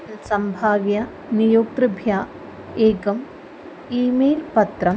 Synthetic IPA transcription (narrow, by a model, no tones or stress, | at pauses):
sɐmbʱaːʋjɐ | nijoːk̚t̪ɾɨbʱjaː | eːɡɐm | iːmeːlpɐt̪ɾɐm